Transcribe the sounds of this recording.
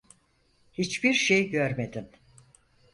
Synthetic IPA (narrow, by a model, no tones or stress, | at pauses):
hit͡ʃbiɾʃejɟøɾmed̪im